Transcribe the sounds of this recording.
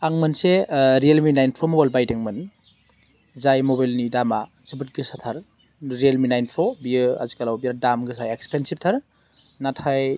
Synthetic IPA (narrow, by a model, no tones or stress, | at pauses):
aŋmɯnseɾielminajnpʰomobajlbajdɯŋmɯn | zajmobajlnidama | zɯbɯt̚ɡɯsatʰaɾ | ɾielminajnpʰobiɯazikalawbiadamɡɯsajekspʰensip̚tʰaɾ | natʰaj